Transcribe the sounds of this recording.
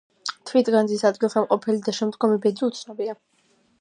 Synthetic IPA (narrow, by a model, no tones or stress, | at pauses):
t̪ʰvit̪ɡand̪zisad̪ɡilˠχɛmqʼɔpʰɛlid̪aʃɛmd̪ɡɔmibɛd̪iut̪sʰnɔbia